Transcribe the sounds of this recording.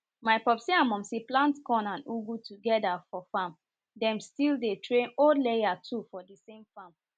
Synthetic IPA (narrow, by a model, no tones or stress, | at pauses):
maɪpɔpsiãnmɔ̃msiplãntkɔ̃nãnuɡutuɡɛdafɔfãm | dɛ̃mstildetɹẽnoldlejatʰufɔdisẽmfãm